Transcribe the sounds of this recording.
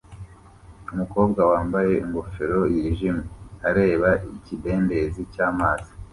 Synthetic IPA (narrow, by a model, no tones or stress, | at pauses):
umuko̞ːb̚ɡawaːmbaje̞iŋɡofe̞ɾo̞jiɾiʒimuaɾe̞ːβaicibe̞ːnbe̞zicaːmaːzi